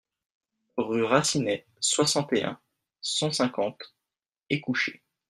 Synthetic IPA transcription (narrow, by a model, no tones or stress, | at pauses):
ʁyʁasinɛ | swasɑ̃t̪eɛ̰̃ | sɑ̃sɛ̃kɑ̃t̪ | ekuʃe